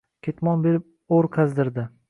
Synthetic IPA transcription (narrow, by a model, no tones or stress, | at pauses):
kʲʰet̪mɒnbeɾɪp̚ | oɾqʰazd̪ɪɾd̪ɪ